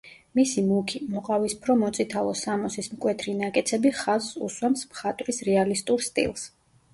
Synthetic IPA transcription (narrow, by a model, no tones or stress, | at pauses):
misimukʰimɔqʼavispʰɾɔmɔt̪sʼit̪ʰalˠɔsamɔsismkʼwɛt̪ʰɾinakʼɛt̪sʰɛbiχazsṵswɛmsmχat̪ʼɾisɾɛalist̪ʼuɾst̪ʼḭlˠs